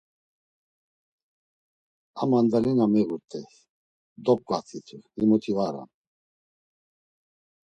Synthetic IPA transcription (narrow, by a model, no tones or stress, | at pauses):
amand̪ɛlinamɛɣuɾt̪ʰʼɛ | d̪ɔp̚kʼat̪ʰit͡s̪ʰuimut̪ʰivaɾa̰n